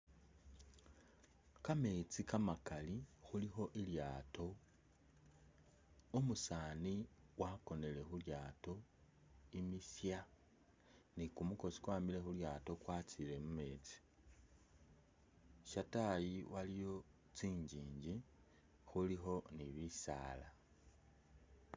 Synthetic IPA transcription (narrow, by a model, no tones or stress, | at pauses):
kame̞ːt͡sikamakalixulixo̞ʔiljaːto̞ | omusaːniwʔako̞ne̞le̞xuljaːto̞ | imisja | nikumuko̞si̥kwaːmile̞xuljaːto̞kwaːt͡sile̞mume̞t͡si̥ | ʃatajiwalijo̞ | t͡siːɲɟiːɲɟi | xulixo̞niβisa̰ːla